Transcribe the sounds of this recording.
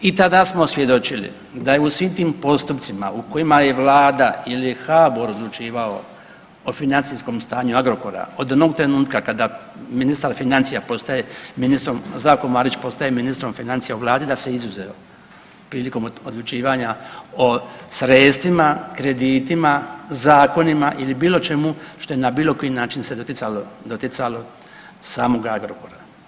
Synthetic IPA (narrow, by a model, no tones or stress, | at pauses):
it̪ad̪asmo̞sʋje̞d̪o̞t͡ʃilḭ | d̪ajeusʋimt̪iːmpo̞st̪upt̪simauko̞jimaje̞ʋlˠaːd̪ailixaboɾo̞d̪lut͡ʃiːʋao | ofinant̪sisko̞mst̪aːɲuaɡɾo̞ko̞ɾa̰od̪o̞no̞ɡ̚t̪ɾe̞nuːt̪kakad̪aminist̪aɾfinant̪sijapo̞st̪ajeminist̪ɾo̞mzaːko̞maːɾit͡ɕpo̞st̪ajeminist̪ɾo̞mfinant̪sijauʋlˠaːd̪id̪ase̞izuzeo | pɾiːliko̞mod̪lˠut͡ʃiːʋaɲaosɾe̞ːt̪st̪ʋimakɾe̞d̪iːt̪imazaːko̞nimaʔilibiːlˠo̞t͡ʃe̞muʃt̪o̞jenabiːlo̞ko̞jinaːt͡ʃinsed̪oialod̪ot̪it̪salo̞ | saːmo̞ɡaɡɾoko̞ɾa